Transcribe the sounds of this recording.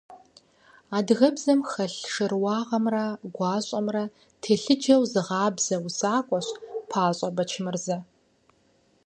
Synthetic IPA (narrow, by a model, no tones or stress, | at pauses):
aːdɣɐbzɐmxɐɬʂɨrwɑːʁɐmrɐɡʷɑːɕʼɐmrɐ | tʰeːɬɨd͡ʒɐwzɨʁɑːbz̥ɐwusaːkʷʼɔɕpʰaːɕʼɐbɐt͡ʃʰɪmɨrzɐ